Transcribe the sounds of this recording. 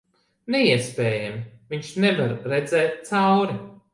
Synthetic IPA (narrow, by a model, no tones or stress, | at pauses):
nɛiɛspʲɛːjamviɲt͡ʃnɛvaɾɾɛd̪zɛːt̪̚t̪sawɾi